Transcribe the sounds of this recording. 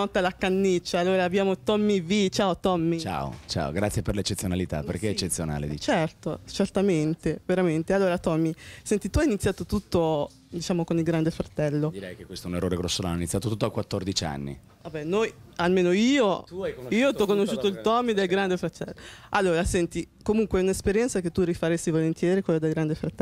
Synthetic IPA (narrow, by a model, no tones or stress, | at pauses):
nɔt̪ːalakanːit͡ʃːaːlːoːɾaːbjaːmot̪ɔmːivit͡ʃaːot̪ɔmːit͡ʃa̰ːo̰t͡ʃa̰o̰ɡɾat̪sjeperlet͡ʃːet̪sːjonalit̪a̰perkeet͡ʃːet̪sːjona̰ːlḛd̪it͡ʃɛrt̪ot͡ʃert̪ament̪eveɾament̪ealːoːɾat̪ɔmːisɛnt̪it̪uajinit̪sːjaːt̪ot̪ut̪ːo | d̪it͡ʃaːmokonilɡɾand̪efɾat̪ɛlːod̪iɾɛjkekːwest̪ɛunerːoːɾeɡɾosːola̰ninit̪ːjat̪ot̪ut̪ːoakwat̪ːord̪it͡ʃa̰nːḭ | vabɛnojalmeːnoiːoiːot̪ɔkːonoʃːuːt̪oilt̪ɔmid̪elɡɾand̪efɾat̪ɛlːoalːoːɾasɛnt̪i | komuŋkweɛunespeɾjɛnt̪saket̪ːurifaɾesːivolent̪jɛːɾikwelːod̪elɡɾand̪efɾat̪ːɛ